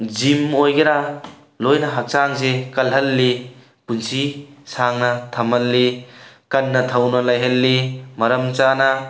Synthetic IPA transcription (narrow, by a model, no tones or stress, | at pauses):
d͡ʒimojɡɐɾa | lojnɐɦak̚t͡ʃaŋzekɐlɦɐlːi | punsisaŋnɐt̪ʰɐmɐlːikɐnːɐt̪ʰɐwnɐlɐjɦɐlːimɐɾɐmt͡ʃanɐ